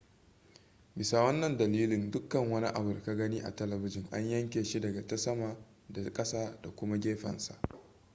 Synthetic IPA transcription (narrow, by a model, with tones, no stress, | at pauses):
bɪ˨sa˨wɐ˦nːɐ˨ndɐ˨liː˦lɪ˨ndʊ˦kːɐ˨ŋwɐ˦ni˦ʔa̰˨bʊ˨rka˦ɡɐ˦ni˦ʔa̰˨tɐ˦lɐ˨bɪ˦d͡ʒɪ˨ŋʔa̰˦ɲjɐ˦ŋkʲeː˨ʃi˦dɐ˨ɡa˨ta˦sɐ˦ma˨ | da˨kʼɐ˦saː˦da˨kʷʊ˦ma˦ɡʲeː˦ɸɐ̰˨nsa̰˨ʔ